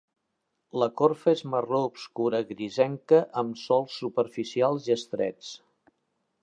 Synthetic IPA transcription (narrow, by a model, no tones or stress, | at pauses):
ləkoɾfəezməroubskuɾəɣɾizɛŋkəʔəmsɔlˠsːupəɾfisialˠziəst̪ɾɛ̰t͡s